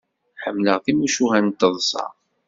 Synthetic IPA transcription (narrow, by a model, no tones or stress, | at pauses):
ħəmːləʁθimuʃuɦænt̪ːəðˤsˤɑ̰ʁˤ